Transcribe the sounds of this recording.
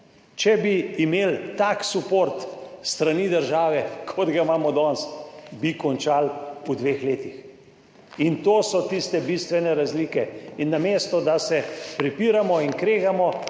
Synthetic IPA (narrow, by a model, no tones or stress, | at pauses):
t͡ʃɛbiːmeːlt̪aksupoɾt̪st̪ɾanid̪əɾʒaːʋɛkʰɔd̪ɡamaːmɔd̪ɔnsbikɔnt͡ʃaːlud̪ʋeːxleːt̪ix | int̪oːsɔt̪ist̪ɛbist̪ʋɛnɛɾazlikɛinːamest̪ɔd̪asɛpɾipiːɾamɔinkɾeːɣamɔ